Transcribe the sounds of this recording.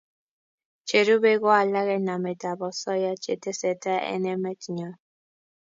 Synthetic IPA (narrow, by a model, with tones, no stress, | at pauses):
t͡ʃe˨ɾu˦be˦ɣɔ˦a˨la˦ɣɛ˦na˨me˨ta˨bɔ˨sɔ˦ja˦t͡ʃe˨te˦sɛ˨ta˦ɛ̰˦nɛ˦mɛ˦tɲɔ˨˦